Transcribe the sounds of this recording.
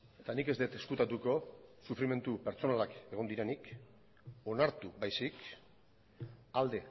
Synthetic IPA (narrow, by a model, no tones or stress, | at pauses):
e̞t̪anike̞zd̪et̪e̞skut̪at̪uko̞sufɾime̞nt̪upe̞ɾt͡so̞nalake̞ɣ̞o̞nd̪iɾenik | o̞naɾt̪uβajsik | ald̪e̞